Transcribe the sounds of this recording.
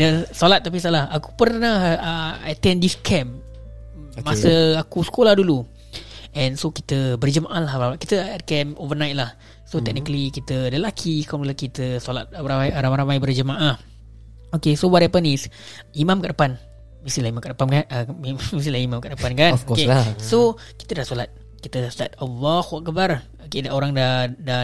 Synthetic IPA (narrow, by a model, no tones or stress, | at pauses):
dəsolat̪̚ːap̬isalahaku̥pərnahəat̪ɛndiskʰɛm | masəakusə̥kolahdulu | ɛ̃nsoki̥t̪əbərd͡ʒəmaʔalahramakit̪əɛt̪̚kɛmovənajt̪̚lah | sot̪ɛk̚nikəlikit̪ələlakʰikmləlakit̪əsola̰t̪̚aɾamajɾamajbərd͡ʒəmaʔah | okesowaɾapənisimãmkaʔdəpan | misilahimãmkaʔdəpamka | mis̬ilahimamkaʔdəpankanokeso | ki̥t̪ədahsolat̪̚ | kit̪ədast̪at̪ɔlɔhwaʔkəbar | okedaʔoɾaŋdada